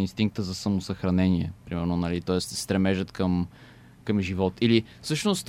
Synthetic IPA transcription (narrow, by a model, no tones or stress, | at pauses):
inst̪iŋk̚t̪əzɐsɐmosəxɾɐnɛniɛ̰pɾimɛɾnonɐlit̪ɔɛst̪st̪ɾɛmɛʒət̪kəm | kəmʒivɔt̪ili | fsɤʃnost̪